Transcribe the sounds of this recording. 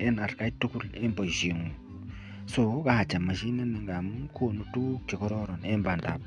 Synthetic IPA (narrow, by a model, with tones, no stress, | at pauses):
e˦na˨ɾka˦i˦tːu˦ku˦le˦mbo˨ʃi˨ŋu˨ | so˨ka˦ha˨t͡ʃa˨ma˨ʃi˦ne˦ni˨ŋɡa˨mkʰo˨nu˦tu˦t͡ʃi˨kɔ˦ɾo˦ɾɔ˨ne˦mba˨nda̰˨b